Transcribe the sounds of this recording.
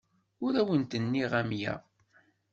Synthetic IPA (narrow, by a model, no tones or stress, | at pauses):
ʊɾæwənt̪ənːiʁæmjæ̰